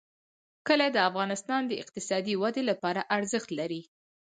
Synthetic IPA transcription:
kəlad̪əafɣɑnɪst̪ɑnd̪əɪ̰q̚t̪ɪsɑd̪iwad̪elapɑɾaʔaɾzəxt̪laɾi

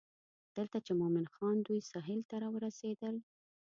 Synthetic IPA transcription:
d̪̥əlt̪at͡ʃemʊmɪnxɑnd̪ujsɑɦɪlt̪aɾɑwəɾased̪əl

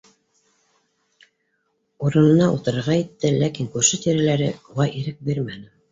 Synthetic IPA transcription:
uɾɤ̆nɤ̆nɑṵlt̪ɤ̆ɾɤ̆ɾʁɑjit̪ːɘlækiŋkʉɾʃɘt̪iɾælæɾɘuʁɑjʔiɾɘk̚biɾmænɘ

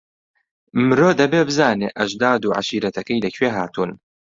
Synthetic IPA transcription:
mɨɾoːd̪ɐbeːbɨzaːnḛːʔɐʒd̪aːd̪uːʕa̰ʃiːɾɐt̪ʰɐkɐjlɐkʰweːɦaːt̪ʰuːn

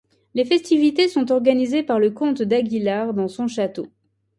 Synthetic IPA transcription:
lefɛst̪ivit̪esɔ̃t̪̬ɔʁɡanizepaʁləkɔ̃t̪d̪aɡʲilaʁd̪ɑ̃sɔ̃ʃat̪o

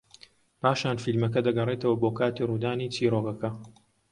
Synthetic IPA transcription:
paːʃaːnfilmɐk̬ɐd̪ɐɡɐreːt̪ɐwɐboːkaːt̪iːruːd̪aːniːt͡sʰiːroːvɐkɐ

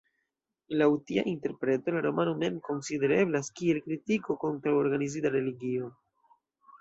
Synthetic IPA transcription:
lautia̰ʔinte̞ɾpɾe̞to̞laɾo̞manome̞mko̞nside̞ɾe̞blaskie̞lkɾitiko̞ko̞ntɾawo̞ɾɡanizidaɾe̞liɡio

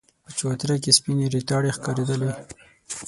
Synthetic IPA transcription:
pət͡ʃwat̪ɾak̬espineɾit̪ɑɽexkɑɾed̪əle

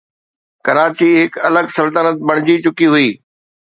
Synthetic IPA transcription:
kɐɾaːt͡ɕiɦɪkɐləɡsɐlt̪ənət̪̚bɐɽ̃ɪd͡ʑit͡ɕʊkiɦʊiː

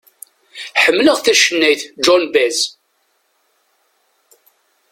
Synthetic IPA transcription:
ħəmːləʁθæʃənːæjθd͡ʒɔnbæz

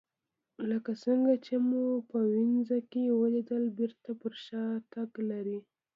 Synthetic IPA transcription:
ləkasəŋɡat͡ʃemupəwɪnzakewəlid̪əlbɪɾt̪apəɾʃɑt̪aɡlaɾi

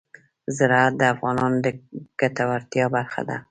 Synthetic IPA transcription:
zɪɾat̪̚d̪əafɣɑnɒnd̪əɡ̥at̪awaɾt̪ijɒbaɾxa̰d̪a̰

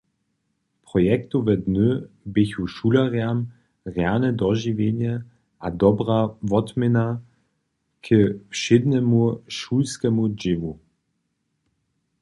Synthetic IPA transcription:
pʁɔjɛkt̪uvɛdnø | bɪçuʃulaʁjam | ʁjanɛdɔʒivjeɲɛ | ʔad̪ɔbʁavɔtmɪna | kʰəfʃɪd̪nɛmuʃulskɛmud͡ʒɪvu

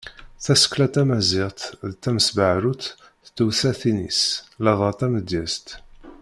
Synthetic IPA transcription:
θæsə̥klæt̪æmæziʁt̪ðt̪ːæməsbaʕɾut̪ | t̪ːuwsæθinḭslæðˤɑt̪æməd̪jæst̪

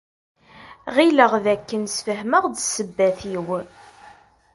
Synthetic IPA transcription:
ʁiləʁðækːənsfəɦməʁd̪səbːæθiw

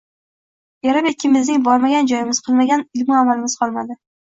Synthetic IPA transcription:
jaɾamekʲʰːɪmɪznɪŋbɒɾmaɡʲand͡ʒɒjɪmɪz̥qʰɨlˠmaɡʲanɪlmɪamalɪmɪz̥qʰɒlˠmad̪ɪ

